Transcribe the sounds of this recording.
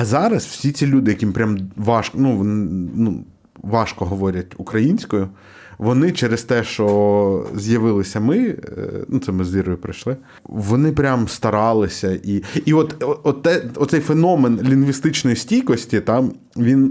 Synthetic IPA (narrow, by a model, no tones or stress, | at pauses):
ɐzɑɾɐswsʲit͡sʲilʲud̪ɪjɐkʲimpɾʲamʋɑʃknuʋɔnɪnu | ʋɑʃkɔɦɔʋɔɾʲɐtʲukɾɐjinʲsʲkɔjʊ | ʋɔnɪt͡ʃɛɾest̪ɛʃt͡ʃɔzjɐʋɪlˠɪsʲɐmɪnut̪sɛmɪzʲʋʲiɾɔjʊpɾɪʃlˠɪ | ʋɔnɪpɾʲamst̪ɐɾɑlˠɪsʲɐʔiiɔt̪ɔɔt̪ːɛɔt̪sɛjfenɔmenlʲinʋʲist̪ɪt͡ʃnɔjisʲtʲijkɔsʲtʲit̪ɑm | ʋʲin